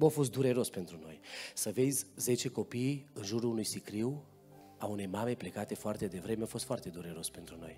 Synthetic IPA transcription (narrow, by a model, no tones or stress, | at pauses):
mafo̞s̬t̪d̪uɾe̞ɾo̞spe̞nt̪ɾuno̞jsəve̞sʲze̞t͡ʃe̞ko̞pijɨnʒuɾuunujsikɾiw | aune̞jmame̞ple̞kat̪e̞foart̪e̞d̪e̞vɾe̞meafost̪fart̪e̞d̪uɾe̞ɾo̞spe̞nt̪ɾuno̞̰j